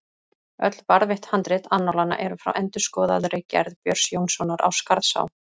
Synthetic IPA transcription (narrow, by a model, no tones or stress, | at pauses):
œ̰t̪l̥paɾðvɪht̪hant̪ɾɪt̪anːɔwlanːa̰ʔɛɾʏfɾa̰wʔɛnt̪ʏ̥skɔːðaðɾɪcɛ̰ɾðpjœɾ̥sjoːwnsɔnaɾʔa̰wskaɾðsa̰w